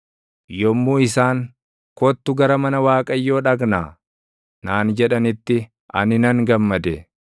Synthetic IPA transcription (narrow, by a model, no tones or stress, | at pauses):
jɔmːuːɪsaːŋ | kɔt̪ːʊɡɐɾɐmɐnɐwaːkʼɐjːo̞ːᶑɐɡnaː | naːnd͡ʒɛᶑɐnɪt̪ːɪ | ɐ̰nɪnɐŋɡɐmːɐd̪ɛ